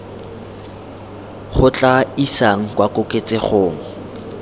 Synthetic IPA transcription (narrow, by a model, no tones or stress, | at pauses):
χʊt͡ɬʼaisaŋ̩kwakʼʊkʼet͡sʼɪχoːŋ̩